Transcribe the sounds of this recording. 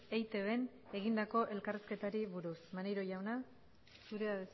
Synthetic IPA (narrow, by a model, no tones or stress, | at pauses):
ejt̪e̞βe̞n | e̞ɣ̞ind̪ako̞ʔe̞lkariske̞t̪aɾiβuɾusmanejɾo̞ʝawna | suɾeaðes